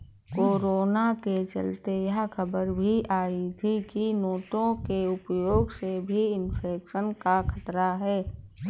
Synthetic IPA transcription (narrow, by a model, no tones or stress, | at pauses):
koːɾoːnaket͡ʃə̰lt̪ejɐɦkʰəbəɾbʱiʔaːit̪ʰikinoːt̪õkeʊpjoːɡsebʱiɪnfʰeːkʃənkakʰɐt̪ɾaɦɛː